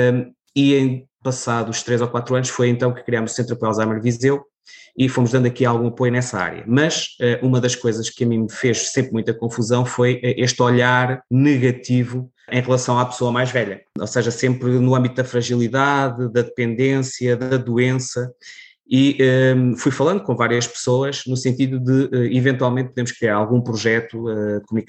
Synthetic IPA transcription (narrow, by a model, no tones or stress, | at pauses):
iẽj̃ | pɐsaðuʃt̪ɾezɔkwat̪ɾuɐnʃfojẽnt̪ɐ̃w̃kɨ̥kɾiamuzu̥sẽnt̪ɾɐpɛlˠzamɐɾvizew | ifomuʒðɐ̃nd̪ɐkialˠɣũɐpojunɛsɐa̰ɾjɐ̰mɐʃɛʔumɐðɐʃkojzɐʃkɨɐmĩmɨfeʃsẽmpɾmũj̃t̪ɐkõfuzɐ̃w̃fojʔɛʔeʃt̪ɔʎaɾnɨɣɐt̪ivu | ʔẽj̃ʁlˠɐsɐ̃w̃apsoɐmajʒvɛʎɐo̰seʒɐsẽmpɾnuɐ̃mbit̪uðɐfɾɐʒilˠiðaðɨðɐðɨpẽnd̪ẽsjɐðɐðuẽsɐ | iʔɛfujfɐlˠɐ̃nd̪ukõvaɾjɐʃpɨ̥soɐʒnusẽnt̪iðuðɨʔɛivẽnt̪walˠmẽnt̪̚puðeɾmʊʃkɾiaɾalˠɣũpɾuʒɛt̪uɛd̪ɨkumunik